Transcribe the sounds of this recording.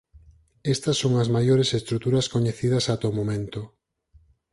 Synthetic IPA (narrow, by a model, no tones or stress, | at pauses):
est̪ɐsːoŋɐzmajoɾesest̪ɾut̪uɾɐskoɲeθiðɐsat̪omomẽnt̪o